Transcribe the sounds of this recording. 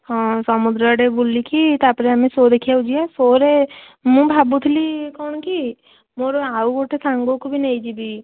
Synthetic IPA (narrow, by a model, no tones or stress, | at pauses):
hãːsəmʊd̪ɾaɖeboːlikit̪aːpɾeamẽsoːd̪ekʰːijaud͡ʒiasoːɾe | mũbʱaːbut̪ʰlikɔʊñki | moːɾaːuɡoʈesãːŋɡokobʱineid͡ʒibiː